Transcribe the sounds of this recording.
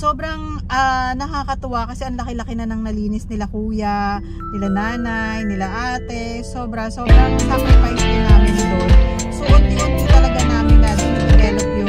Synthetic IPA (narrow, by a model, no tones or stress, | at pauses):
so̞ːbɾɐŋʔanɐkakɐt̪ʊwakɐsɛʔɐŋlɐkɪlɐkɪnanɐŋnɐliːnɪsnɪlakuːja | nɪlanaːnajnɪlaʔaːt̪ɛ | so̞ːbɾɐso̞ːbɾɐŋlakɐpɐjsɐɐnʔaːmɪnsɐd̪onsoʔɐɡ̪̚imɐnpʊt̪ɐlɐɡanaːmɪnɐsɪɡɛːlokjo